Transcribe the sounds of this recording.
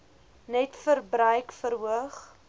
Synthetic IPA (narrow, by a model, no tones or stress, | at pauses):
nɛtfərbɾœjkfəɾuəχ